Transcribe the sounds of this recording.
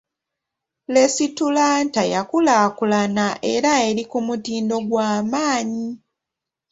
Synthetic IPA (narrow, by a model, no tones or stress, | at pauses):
le̞situlaːntajakulaːkulanaʔe̞ɾaeɾikumutiːndo̞ɡwaːmaːɲi